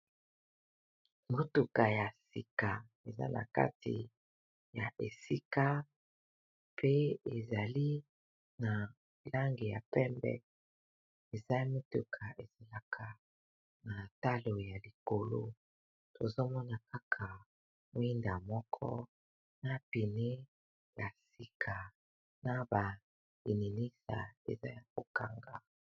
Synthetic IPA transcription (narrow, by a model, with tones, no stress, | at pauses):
mo˦tu˨ka˨ja˨si˨ka˨ | e˨za̰˦na̰˨ka̰˦tḭ˨ | ja˨ʔe˨si˦ka˦ | pʰe˦e˨za˨li˦ | na˨ | la˦ŋɡe˨ja̰˨pɛ˦mbɛ̰˦ | e˨za˦mi˦tu˨kʰa˨e˨ze˨la˨kʰa˨ | na˨ta˦lo˨ja˨li˨ko˨lo̰˦ | to˨zo˦mɔ˦na˨ka˦kʰa˨ | mo˦i˦nda˨mɔ˦kʰɔ̰˦ | na˦pi˨ne˦ | la˨si˨kʰa˨ | na˦ba˨ | i˨ni˨ni˦sa̰˨ḛ˨za˦ja˨ko˨ka˨ŋɡa̰˨